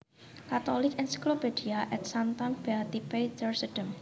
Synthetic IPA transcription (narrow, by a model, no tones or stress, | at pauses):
kat̪olɪkɛnsi̥klopediaʔɛt̪sant̪ɔnb̥ɛt̪ipejt̪ərsəɖ̥əm